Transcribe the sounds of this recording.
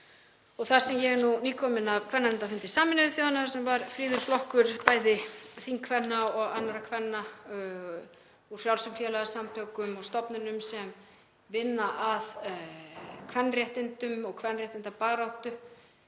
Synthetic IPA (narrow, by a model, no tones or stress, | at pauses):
ɔɣθaɾ̥sɛmjɛɣɛnuniːkʰɔmɪnaðkʰvɛnːaɪnt̪afɪnt̪ɪsaːmɪnɪɪθjoːanːasɛmvaɾfɾiːðʏɾ̥flɔhkʏɾpaːjðɪθiŋkʰvɛnːaɔɣa̰nːaɾakʰvɛnːa | uɾ̥fjawlsʏmfjɛːlaɣasamt̪ʰœkʏmɔɣst̪ɔpnʏnʏmsɛm | vɪnːaʔað | kʰvɛnːrjɛht̪ɪnt̪ʏmɔɣkʰvɛnrjɛht̪ɪnt̪apaːɣɾawht̪ʏ